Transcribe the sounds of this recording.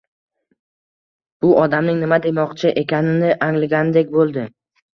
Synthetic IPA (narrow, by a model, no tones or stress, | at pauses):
b̥ʊʔɒd̪amnɪŋnɪmad̪e̞mɒqt͡ʃʰɪʔe̞kʲʰanɪnɪʔaŋlɪɡʲanɪd̪ekʲbolˠd̪ɪ